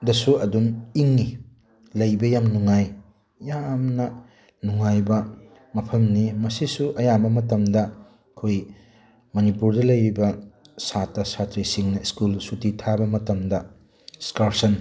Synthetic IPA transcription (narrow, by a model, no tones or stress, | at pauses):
dɐsuɐduniŋːi | lɐjbɐjamnuŋaj | jamnɐ | nuŋajbɐ | mɐpʰɐmnimɐsisuʔɐjabɐmɐtɐmdɐ | kʰoj | mɐnipuɾdɐlɐjbibɐ | satɐsatɾisiŋnɐiskulsutitʰabɐmɐtɐmdɐ | skaɾsɐn